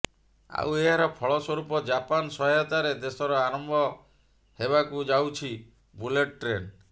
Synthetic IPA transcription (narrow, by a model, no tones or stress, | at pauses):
a̰weɦaɾɔpʰɔɭɔswɔɾupɔd͡ʒapansɔɦɔjɔt̪aɾed̪esɔɾɔaɾɔmbɔ | heβakud͡ʒawt͡ʃʰi | buleʈ̚ʈɾen